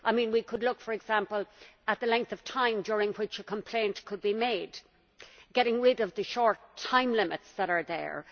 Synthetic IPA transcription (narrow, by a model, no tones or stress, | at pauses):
ʔaɪmĩnwikʰədˡlʊkfə˞ɨɡz̥ãmpəlˠət̪̚ðəlɛ̃ŋk̚θʌv̥tʰãɪ̃mdjʊɹɪ̃ŋwɪt͡ʃəkʰə̃mpʰl̥ẽɪ̃nʔkʰəd̚bimeɪd | ɡ̥ɛɾɪ̃ŋɹɪɾʌvðəʃɔɹtʰãɪ̃mlɪmɪtsðəɾə˞ðə̰˞